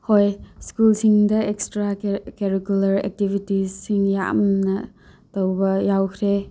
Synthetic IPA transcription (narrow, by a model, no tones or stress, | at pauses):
hojskulsiŋdɐekstɾakeɾikulɐɾɛ̰k̚tibʱitisiŋja̰mnɐ | tɐwbɐjawkʰɾe